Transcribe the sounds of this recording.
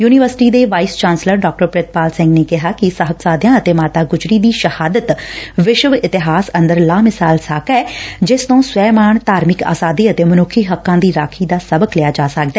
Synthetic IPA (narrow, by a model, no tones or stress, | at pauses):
juːnɪʋəɾsɪ̥ʈiːd̪eːʋaːiːst͡ʃãːnsləɾɖaːk̚ʈəɾpɾɪt̪̚paːlsɪ̃ŋɡneːkɪɦaːkɪsəɦət̪saːd̪jãːət̪eːmaːt̪aːɡʊd͡ʒɾiːd̪iːʃəhaːd̪ət̪ʋɪʃʋɪt̪ɪɦaːsə̃nd̪əɾlaːmɪsaːlsaːkɛːd͡ʒɪst̪õːswɛːmaːɳt̪aːɾmɪka̰ːsaːd̪iːət̪eːmənʊkʰːiːɦəkːãːd̪iːɾaːkʰiːd̪aːsəbəklɪjaːd͡ʒaːsək̚d̪ɛː